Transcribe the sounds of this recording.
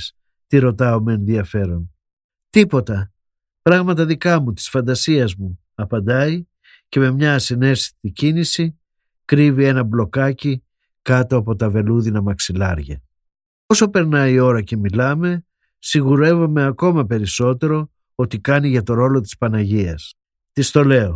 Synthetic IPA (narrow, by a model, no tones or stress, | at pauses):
s | t̪iɾo̞t̪ɐomeenðiɐfe̞ɾo̞n | t̪ipo̞t̪ɐ | pɾɐɣmɐt̪ɐðikɐmut̪i̥sfɐnd̪ɐsiɐzmu | ɐpɐnd̪ɐi | ce̞me̞mɲɐsine̞si̥t̪icinisi | kɾivie̞nɐblo̞kɐci | kɐt̪o̞ɐpo̞t̪ɐve̞luðinɐmɐksilɐɾʝɐ̰ | o̞so̞pe̞ɾnɐio̞ɾɐce̞milɐme̞ | siɣuɾe̞vo̞me̞ɐko̞mɐpe̞ɾiso̞t̪e̞ɾo̞ | o̞t̪ikɐniʝɐt̪o̞ɾo̞lo̞t̪̬i̥spɐnɐʝiɐs | t̪ist̪o̞le̞o̞